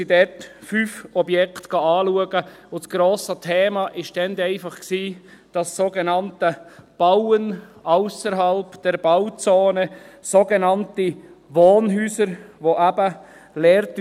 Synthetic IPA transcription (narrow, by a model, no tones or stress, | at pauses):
idɛtfyːfɔbjɛktɡ̥ɑɑːluəɡəʊt͡sɡ̥ɾoːsətʰɛːmɑʔɪʃʃtɛnd̪ɛɪfɑχksiːd̥ɑsːoːɡenɑntəb̥awənaʊsəɾɦɑlpd̥ɛɾb̥awt͡soːnə | soɡenɑntiʋoːnɦyːsəɾʋoʔæbə | lɛːɾt